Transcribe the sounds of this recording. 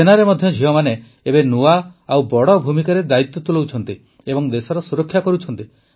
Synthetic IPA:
enaɾemɔd̪ʱjɔd͡ʒʱiɔmane | ebenuaawbɔɽɔbʱumikaɾed̪ait̪ːɔt̪ulowt͡ʃʰɔnt̪i | ebɔŋd̪esɔɾɔsuɾɔkʰːjakɔɾut͡ʃʰɔnt̪i

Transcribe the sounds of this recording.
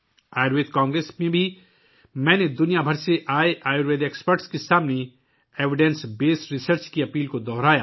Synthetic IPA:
aːjɾʋeːt̪kãːŋɡɾeːsmẽbʱi | mɛ̃ːned̪ʊnijabʱɐɾseʔaːeʔaːjoɾeːɖ̪eːkspəɾʈskesaːmne | eːʋɪɖɛ̃nsbeːsɾɪsəɾt͡ʃkiɐpiːlkod̪ɔːɾaːjaː

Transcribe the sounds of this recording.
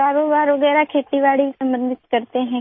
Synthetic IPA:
aːɾoːbaːɾʋəɡɛːɾakʰeːt̪iːʋaːɽisəmbənd̪ʱɪt̪kəɾt̪eɦɛ̃

